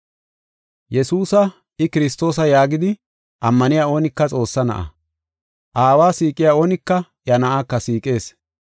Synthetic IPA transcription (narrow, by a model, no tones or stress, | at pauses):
jɛsuːsɐ | ɪkɪɾɪs̬t̪o̞ːs̬ɐjaːɡɪd̪ɪ | ʔɐmːɐnɪjaːo̞ːnɪkːɐt͡sʼo̞ːsːɐnɐ̰ʔɐ̰ | ʔaːwaːsiːkʼːɪjaːoːnɪkːɐ | jɐnɐʔaːkːɐsiːkʼe̞ːs